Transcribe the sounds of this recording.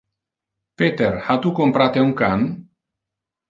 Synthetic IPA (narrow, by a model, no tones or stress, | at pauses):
pet̪eɾhat̪ukompɾat̪euŋkan